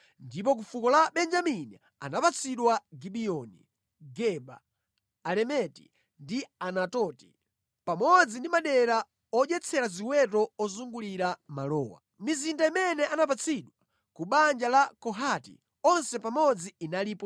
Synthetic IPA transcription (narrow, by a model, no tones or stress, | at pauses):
ndip̬ɔk̬ufukɔlaɓɛnd͡ʒaminḭ | anapat͡sʰiɗwaɡiɓiɔnḭ | ɡɛba̰ː | lɛmɛti | ndianatɔti̥ | pamɔd͡zindimaɗɛɾa | ɔʄɛt͡sʰɛɾaziwɛt̬ɔɔzuŋɡuliɾamalɔːwa̰ | mizindaimɛnɛʔanap̬at͡sʰiɗwa | kuɓand͡ʒalakɔɦatḭ | ɔnsɛpamɔd͡ziːnaliːpɔ